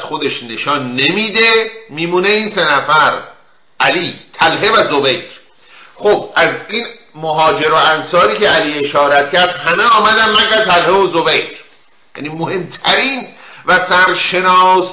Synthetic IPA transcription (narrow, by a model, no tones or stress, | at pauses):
zxod̪e̞ʃne̞ʃɒːnːe̞miːd̪emiːmuːneinse̞næfæɾ | ʔæliːt̪ʰælɦe̞væzobejɾ | xobæziːnmoɦɒːd͡ʒe̞ɾoænsɒːɾiːceæliːe̞ʃɒːɾæt̪cæɾd̪hæmeɒːmæd̪æmmækæt̪ʰælheozobejɾ | jæ̰nimohe̞mt̪ʰæɾiːnvæsæɾʃe̞nɒːs